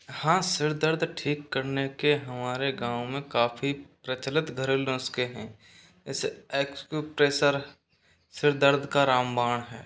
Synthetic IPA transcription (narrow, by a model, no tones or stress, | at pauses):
hãːsɪɾd̪əɾd̪ʱʈʰiːkːəɾnekeɦɐmaːɾeɡãːwmẽkaːfʰipɾət͡ʃlɪt̪ɡʱəɾelõːskeɦɛ̃ː | ɪseːkskupɾeːsəɾ | sɪɾd̪əɾd̪ʱkaɾaːmbaːɽ̃ɦɛː